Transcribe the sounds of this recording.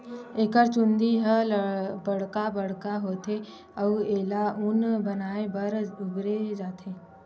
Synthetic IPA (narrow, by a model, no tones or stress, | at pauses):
eːkəɾt͡ʃʊ̃nd̪iɦəbɐɽ̤kabɐɽkaɦoːt̪ʰe | ɐueːlaʊnbɐnaːebɐɾʊɡɾed͡ʒaːt̪ʰeː